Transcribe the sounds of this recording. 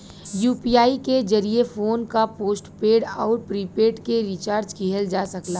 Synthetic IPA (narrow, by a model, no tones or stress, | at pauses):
juːpijaːiked͡ʒɐɾiefoːnkapoːsʈpeːɖɔːɾpɾipeːʈkeɾit͡ʃaːɾd͡ʒkiɦəld͡ʒaːsɐkla